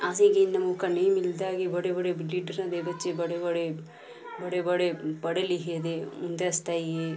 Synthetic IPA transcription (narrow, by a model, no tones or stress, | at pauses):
aːsiɡinːɐmukɐnejmild̪aːɡibɐɽebɐɽeliːɖɐɾnɐd̪ebɐt͡ʃːebɐɽebɐɽe | bɐɽebɐɽepɐɽeliɦeːd̪emund̪eɐst̪aːji